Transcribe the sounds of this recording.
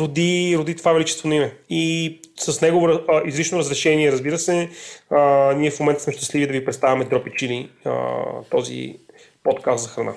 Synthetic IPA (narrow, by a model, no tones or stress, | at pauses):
ɾod̪iɾod̪it̪ovavɛlit͡ʃɛst̪vonimɛisəsnɛɡovoɾʔizɾit͡ʃnoɾəzɾɛʃɛniɛɾəzbiɾəsɛəniɛfmomɛnt̪əsmɛʃt̪ɐ̥slivid̪ɐvipɾɛt̪t̪avɐmɛd̪ɾɔpɛt͡ʃiliə̰t̪ɔzḭ | pɔt̪kast̪zɐxɾɐna̰